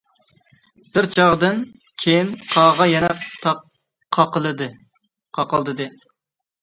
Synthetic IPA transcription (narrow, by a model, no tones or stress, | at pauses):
b̥ɪɾt͡ʃʰɑʁd̪ɨn | kʲʰejinqʰɑʁɑjɛnɛt̪ʰɑ | ɑqəlˠɨd̪ɨ | qʰɑqəlˠd̪ɨd̪ɨ